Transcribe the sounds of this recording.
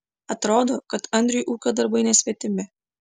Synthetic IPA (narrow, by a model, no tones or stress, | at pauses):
ɐt̪ɾoːd̪oːkɐt̪ɐnʲd̪ʲɾʲʊjʔuːkʲɐd̪ɐɾbɐɪnʲɛsʲʋʲɛt̪ʲɪmʲɪ